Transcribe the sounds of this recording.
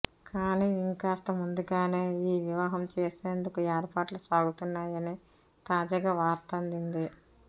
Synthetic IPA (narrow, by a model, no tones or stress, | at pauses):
kaːniːiŋkaːst̪ɐmund̪uɡaːneːiːʋiʋaːɦɐmt͡ʃeːseːnd̪ukueːɾpaːʈlusaːɡut̪unːaːjɐni | t̪aːd͡ʒaːɡaːʋaːɾt̪ɐɐnd̪ind̪i